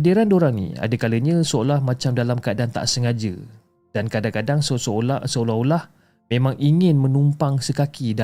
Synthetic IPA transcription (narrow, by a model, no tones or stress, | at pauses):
adiɾandoɾaŋnḭ̃a̰dakaləɲə̃soolahmãt͡ʃamdalamkəadant̪a̰ʔsəŋad͡ʒə̰ | d̥ankadaŋkadaŋsososəolaɦolah | mẽmãŋiŋɪ̃nmə̃numpaŋsəkakida